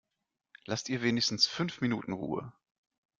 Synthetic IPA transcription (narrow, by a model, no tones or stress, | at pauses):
lastiːɐveːnɪçstn̩sfʏnfminuːtn̩ʁṵːə̰